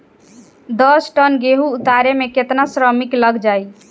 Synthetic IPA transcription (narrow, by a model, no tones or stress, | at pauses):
d̪əsʈənɡeɦuːt̪aɾemeket̪nasɾəmikləɡd͡ʒaj